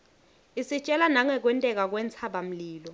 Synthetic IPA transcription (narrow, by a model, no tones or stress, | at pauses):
isit͡ʃʼɛlanaŋɛk̬wɛntʼɛk̬ak̬wɛnt͡sʰaɓam̩liːlɔ